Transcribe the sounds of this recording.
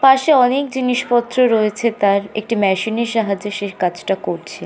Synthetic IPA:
paʃeɔnek̚d͡ʑiniʃpɔt̪ːɾoɾoet͡ɕʰet̪aɾḛk̚ʈimɛʃineɾʃaɦad͡ʑeʃeɾkat͡ɕʰʈakoɾt͡ɕʰe

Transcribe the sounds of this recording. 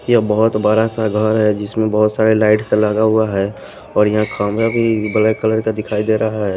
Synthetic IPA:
jəbəɦʊt̪baːɾasaɡʱəɾɦɛd͡ʒɪsmẽbəɦʊt̪saːɾelaːɪʈsẽlaːɡaɦuaɦɛ | ɔːɾjɐɦãkʰamɾabʱibələkələɾkad̪ɪkʰaːid̪eːɾʔəɦaɦɛː

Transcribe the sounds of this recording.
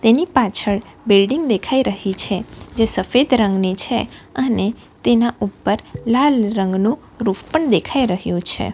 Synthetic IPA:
t̪enipat͡ʃʰəɭbɪlɖiŋɡ̚d̪ekʰaiɾəɦit͡ʃʰed͡ʒesəfed̪ɾəŋɡnit͡ʃʰeəne | t̪enaʔupːəɾlalɾə̃ŋɡnũ | ɾupʰpəɳd̪ekʰaiɾəɦjũt͡ʃʰḛ

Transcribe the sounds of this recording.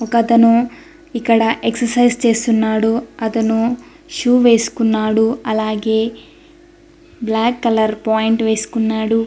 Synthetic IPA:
ɔkɐt̪ɐnu | ikːɐɽɐʔeksɐɾsɐjst͡ʃe̞ːst̪unːaːɽuɐt̪ɐnu | ʃuːʋe̞ːsu̥kunːaːɽuɐlaːɡe̞ː | blaːkːɐlɐɾpaːjiɳʈʋe̞ːsu̥kunːaːɽu

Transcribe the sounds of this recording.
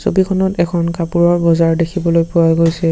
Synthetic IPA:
so̰bikʰɔnɔtɛkʰɔnkapuɹɔɹbɔzaɹdekʰibɔlojpʊajɡojsɛ

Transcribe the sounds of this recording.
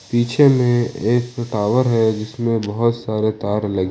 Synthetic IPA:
piːt͡ʃʰemẽeːkʈaːʋəɾɦɛd͡ʒɪsmẽbɐɦʊt̪saːɾet̪aːɾlɐɡ

